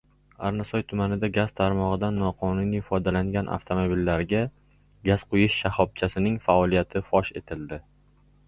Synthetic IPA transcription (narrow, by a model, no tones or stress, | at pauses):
aɾnasɒjt̪ʰʊmanɪd̪aɡʲaz̥t̪ʰaɾmɒʁɨd̪anːɒqʰɒnʊniɪfɒd̪alaŋɡʲanʔa̰ft̪ʰomobilːaɾɡʲa | ɡʲazqojɪʃːahɒb̚t͡ʃʰasɪnɪŋfaɒlˠijat̪ʰɪfɒʃe̞t̪ʰɪld̪ɪ